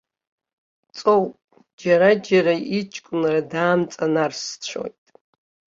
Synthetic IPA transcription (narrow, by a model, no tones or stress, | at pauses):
t͡sʼowpʼ | d͡ʒaɾad͡ʒaɾait͡ʃʼkʷʼʊnradaːmt͡sʼanarst͡ɕʷʰo̰jtʼ